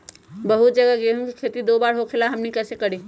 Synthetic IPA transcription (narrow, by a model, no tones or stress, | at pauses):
bəɦut̪̚d͡ʒəɡaɡeɦũkikʰet̪id̪obaɾɦokʰelaɦəmnikəsekəɽi